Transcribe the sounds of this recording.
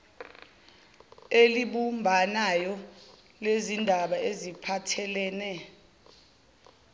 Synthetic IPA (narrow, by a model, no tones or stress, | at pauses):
eliɓumbʱanajɔ | lezindʱaɓaezipʰatʰɛlɛːnɛ